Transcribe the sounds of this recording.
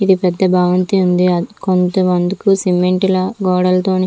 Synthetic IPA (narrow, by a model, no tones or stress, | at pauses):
id̪ipɛd̪ːɐbʱaːʋɐnt̪iund̪iɐkont̪ɐmɐnd̪ukusimeɳʈilɐɡɔːɽɐlt̪oːni